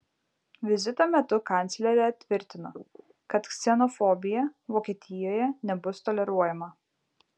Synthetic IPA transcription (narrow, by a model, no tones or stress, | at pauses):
ʋʲɪzʲɪt̪omʲɛt̪ʊkɐˑnʲt̪sʲlʲɛɾʲɛɐt̪ʲʋʲɪɾʲt̪ʲɪnoː | kɐt̪ksʲɛnɔfɔbʲɪjɛʋoːkʲiːt̪ʲɪjoːjɛnʲɛbʊst̪ɔlʲɛɾuɔjɛmɐ